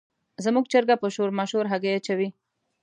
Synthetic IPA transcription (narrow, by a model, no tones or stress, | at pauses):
zamuɡ̚t͡ʃəɾɡapəʃoɾmaʃhoɾɦaɡajat͡ʃawi